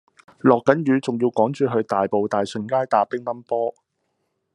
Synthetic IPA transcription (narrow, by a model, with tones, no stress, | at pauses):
lɔː˨˩kːɐ˨˥njyː˨˧t͡sʊ˨ŋjiː˧wkɔː˨˥ŋt͡ʃyː˨ɦɵ˨˧ɥt̪aː˨˩jpo˨wt̪aː˨jsɵ˨˩nkaː˥jt̪aː˨˥pɪ˥ŋmɐ˥npɔː˥